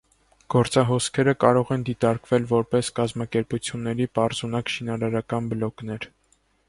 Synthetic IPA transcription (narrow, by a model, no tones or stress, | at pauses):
ɡ̥ɔɾt͡sɑɦɔskʰɛɾəkɑɾɔʁɛnd̪it̪ɑɾkvɛlvɔɾpɛskɑzmɑkɛɾput͡sʰjunːɛɾipɑɾzunɑkʃinɑɾɑɾɑkɑnbəlɔknɛɾ